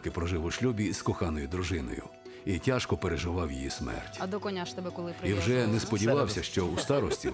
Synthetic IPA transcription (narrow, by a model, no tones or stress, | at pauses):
kɪpɾɔʒɪʋʊʃlʲubʲiskɔxɑnɔjʊd̪ɾʊʒɪnɔ̰jʊ̰ | itʲaʃkɔpeɾeʒɪʋɑwjḭjismɛ̰rtʲɐd̪ɔkɔnʲaʃt̪ɛbɛkɔlˠɪpɾiwʒɛnɛspɔdʲiʋɑwsʲɐʃt͡ʃɔust̪ɑɾɔsʲtʲi